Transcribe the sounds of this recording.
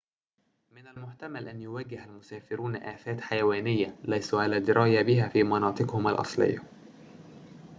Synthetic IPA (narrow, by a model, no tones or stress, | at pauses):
mɪnalmʊħt̪amalʔænjʊwaɡːɪhælmʊsaːfɪɾuːnʔæːθæːt̪ħajawæːnɪjːalæjsuʕalæːd̪ɪɾɑːjabɪɦæːfiːmɑnɑːt̪ˤɨqhʊmalʔɑ̰sˤlɪ̰jːa